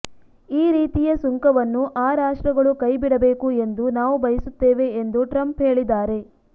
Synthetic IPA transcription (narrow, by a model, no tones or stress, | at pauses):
iːɾiːt̪ijɐsuŋkɐʋɐnːuʔaːɾaːʂʈɾɐɡɐɭukɐjbiɽɐbe̞ːkue̞nd̪unaːʋubɐjɐsut̪ːeːʋe̞ːnd̪uʈɾɐmpɦe̞ːɭid̪aːɾe̞